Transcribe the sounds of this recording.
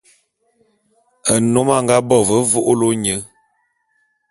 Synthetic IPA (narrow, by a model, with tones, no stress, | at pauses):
ə˨no˦ma˦˨ŋ˦ɡa˦bɔ˦˨və˦vo˦ʔo˦lo˦ɲə˦